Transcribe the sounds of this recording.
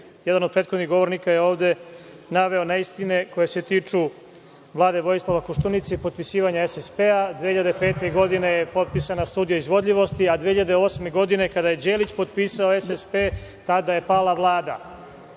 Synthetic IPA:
jɛd̪anod̪̚pɾeːt̪xod̪niɣɡo̞ʋo̞ɾnikajeo̞ːʋd̪e̞ | naʋe̞o̞naist̪ineko̞jese̞t̪iːt͡ʂu | vlˠaːd̪eʋo̞jislˠaʋakoʃt̪unit̪seipo̞t̪̚pisiːʋaɲaesespead̪ʋehiʎad̪epeːt̪eɡo̞d̪ine̞jepo̞t̪̚pisanast̪uːd̪ijoizʋo̞d̪ʎiʋo̞st̪iad̪ʋehiʎad̪eo̞sme̞ɡo̞d̪ine̞kad̪aje̞d͡ʑeːlit͡ɕpo̞t̪piːsaoesespet̪ad̪ajepaːlaʋlˠaːd̪a

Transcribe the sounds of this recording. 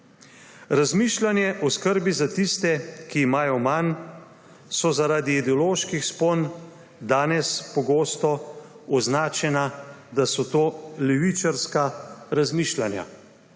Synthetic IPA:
ɾazmiːʃlanjɛʔɔskəɾbizat̪ist̪ɛkiːmaːjɔman | sɔzaɾaːd̪iːd̪ɛɔloːʃkixspon | d̪aːnɛspɔɡoːst̪ɔ | ɔznaːt͡ʃɛnad̪asɔt̪oːlɛʋit͡ʃaɾskaɾazmiːʃlanja̰

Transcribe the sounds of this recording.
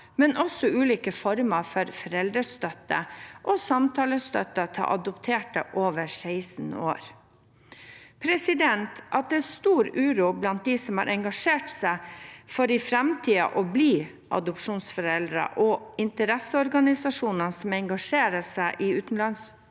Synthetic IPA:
mɛnʔɔsɔʉːliːkəfɔɾməfɔɾfɔɾɛld̪ɾəst̪œt̪ːəʔɔsɑmt̪ʰɑːləst̪œt̪ːət̪ʰɑ̰ʔɑd̪ɔpt̪ʰeːʈə̰ʔoːʋəsæɪsən̩o̰ːɾ | pʰɾɛsɪd̪ɛnt̪ʔɑt̪̚d̪ɛst̪uːɾʉːɾuːblɑnt̪̚d̪isɔmhɑ̰ɾʔɛŋɡɑʂeːʈsæɪfɔɾɪfɾɛmt̪ʰiːɑ̰ʔɔbliː | ʔɑ̰d̪ɔpʂuːnsfɔɾɛld̪ɾə̰ʔɔɪnt̪əɾɛsəɔɾɡɑnɪsɑʂuːnənsɔmɛŋɡɑʂeːɾəsæɪʔɪʉːt̪n̩lɑns

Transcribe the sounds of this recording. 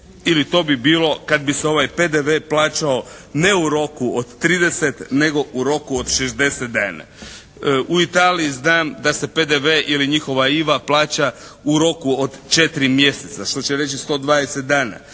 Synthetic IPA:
ilit̪o̞ːbibiːlˠo̞kad̪̚biseo̞ʋajpe̞d̪eʋeːplaːt͡ʃao̞ne̞uɾo̞kuod̪t̪ːɾiːd̪e̞set̪ne̞ɡo̞ʔuɾo̞kuod̪ʃezd̪e̞set̪̚d̪aːna̰ | ʔuit̪aːliiznaːmd̪ase̞pe̞d̪eʋeʔiliɲixo̞ʋaiʋaplˠaːt͡ʃauɾo̞kuod̪t͡ʃe̞t̪iɾimje̞set̪saʃt̪o̞t͡ɕeɾe̞t͡ɕist̪o̞ːd̪ʋaːd̪eset̪̚d̪aːna̰

